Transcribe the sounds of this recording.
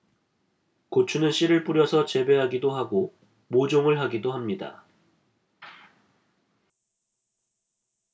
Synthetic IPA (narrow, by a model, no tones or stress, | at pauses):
kot͡ɕʰunɯnɕ͈iɾɯɭp͈uɾjʌsʰʌt͡ɕe̞beɦaɡidoɦaɡo | mod͡ʑoŋɯɭɦaɡidoɦamɲida̰